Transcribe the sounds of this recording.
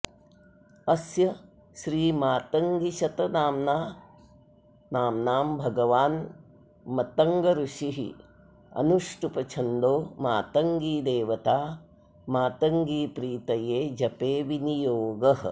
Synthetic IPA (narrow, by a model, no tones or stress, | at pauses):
ɐsjɐ | ʃɾiːmaːt̪ɐŋɡiʃɐt̪ɐnaːmnaː | naːmnaːmbʱɐɡɐʋaːn | mɐt̪ɐŋɡɐɾuʂiɦḭ | ɐ̰nuʂʈupɐt͡ʃʰɐnd̪oːmaːt̪ɐŋɡiːd̪eːʋɐt̪aː | maːt̪ɐŋɡiːpɾiːt̪ɐjeːd͡ʒɐpeːʋinijoːɡɐɦ̆